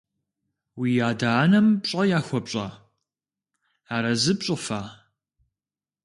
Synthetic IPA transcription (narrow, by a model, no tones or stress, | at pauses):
wiːjaːdaːnɐmpɕʼɐjaːxʷɔpɕʼa̰ | aːɾɐzɨpɕʼɨfaː